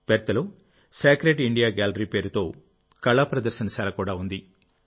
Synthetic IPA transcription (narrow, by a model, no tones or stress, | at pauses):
pɛɾt̪ːɐloː | saːkɾeːʈiɳɖijaːɡaːlɐɾiːpe̞ːɾut̪o̞ː | kɐɭaːpɾɐd̪ɐɾʃɐnɐʃaːlɐkuːɽaːund̪i